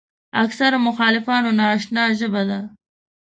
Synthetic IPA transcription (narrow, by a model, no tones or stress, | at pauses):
aksaɾamʊxɑːlɪfɑːnonɑːʃnɑːʒəbad̪a